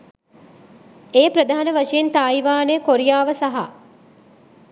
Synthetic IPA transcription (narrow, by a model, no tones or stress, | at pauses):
eːpɾɐd̪ʱaːanəʋaʂejent̪aːiʋaːnejəkoɾijaːʋəsaɦa̰